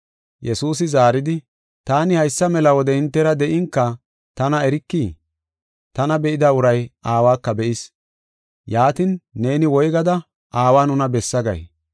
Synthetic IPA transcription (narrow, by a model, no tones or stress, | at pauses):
jɛsuːs̬ɪzaːɾɪd̪ɪ | t̪aːnɪhɐjsːɐmɛlɐwɔd̪ɛɪnt̪ːɛɾɐd̪ɛʔɪŋkːɐ | t̪ɐnɐɛɾɪkːiː | t̪ɐnɐbɛʔɪd̪ɐʊɾɐjaːwaːkːɐbɛʔɪs | jaːt̪ɪnːe̞ːnɪwɔjɡɐd̪ɐ | ʔaːwaːnʊnɐbɛsːɐɡɐ̰j